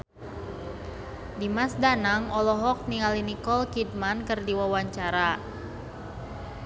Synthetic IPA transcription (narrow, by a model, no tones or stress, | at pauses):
dimasdanaŋɔlɔɦɔk̚niŋalinikɔlkid̚mankərdiwawaɲt͡ʃaɾa